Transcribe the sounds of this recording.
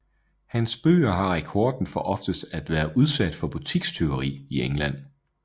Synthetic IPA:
hænsb̥ø̰ːɐɦɑ̈ʁɛkʰɒːd̥n̩fɒ̽ʔɒ̽fd̥əsd̥æd̥ʋæːɐʔuð̞ˠsæd̥fɒ̽b̥ut͡sʰiɡ̥st͡sʰe̝oʁḭːieŋlæn̰

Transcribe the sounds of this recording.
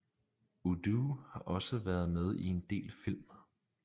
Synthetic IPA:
ud̥uhɑ̈ʔɒ̽səʋæːɐð̞̩ˠmeð̞ˠie̝nd̥e̝̰ːlfil̰m

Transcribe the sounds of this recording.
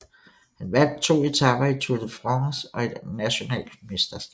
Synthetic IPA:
hænʋæn̰d̥̚t͡sʰo̝̰ːe̝t͡sʰɑ̈b̥ɐit͡sʰud̥əfʁɑŋsɒ̽e̝d̥næɕo̝nɛ̰ːld̥me̝sd̥ɐsɡ̥ɛ

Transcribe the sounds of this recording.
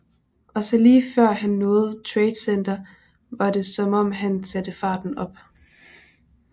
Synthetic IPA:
ʔɒ̽sɒ̽liːfɶɐ̰hænːɔ̽ːð̩ˠt͡sʰʁɛːd̥send̥ɐ | ʋɑ̈d̥e̝sɒ̽mɒ̽m̰ɦænsæd̥əfɑ̈ːd̥n̩ɒ̽b̥

